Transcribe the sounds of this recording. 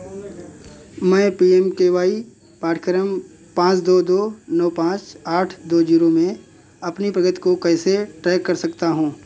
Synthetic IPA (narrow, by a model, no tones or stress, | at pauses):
mɛ̃ːpiːemkeːʋaːi | paːʈʰkɾəm | pãːt͡ʃd̪oːd̪oːnɔːpãːt͡ʃaːʈʰd̪oːd͡ʒiːɾomẽ | ɐpnipɾɐɡət̪i̥kokɛːseʈɾɛːkːɐɾsɐkt̪aɦũː